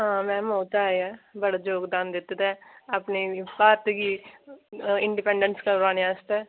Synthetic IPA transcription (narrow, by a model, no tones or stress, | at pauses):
ɦãːmɛ̃ːmoːt̪aːeɛːbəɽaːd͡ʒoːɡd̪aːnd̪ɪt̪ːd̪ɛːapneːpaːt̪ɡiː | ɪɳɖɪpɛ̃ɳɖənskəɾɾaːneaːst̪ɛː